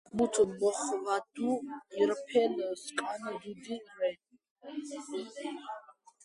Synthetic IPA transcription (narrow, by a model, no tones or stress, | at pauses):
mut̪ʼɔmɔχvad̪̥uiɾpʰɛnəskʼand̪ud̪iɾɛ